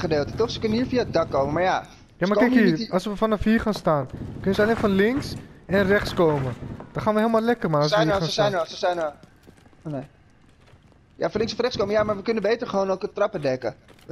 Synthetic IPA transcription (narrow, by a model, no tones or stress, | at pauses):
χədeːlˠtə̥tɔχsə̥kʏnəniːɹfiaəd̚dɑkːowməmaɹja | jaːmakɛkiːɑlsʋəfɔnəfiːχaːnstaːnkønəzəɑlenfɔnlɪŋksɛnrɛχtskowməd̥ɔχaːnʋəɦeɪːlˠmaːlɛkərmaɔsəɛjnɔsəsɛjnɔ | one | ja̰fɔnlɪŋsfnrɛχskowməjaːmaɹʋəkʏnəbejtəɹχʋoːnowkətrɑpədɛkə̰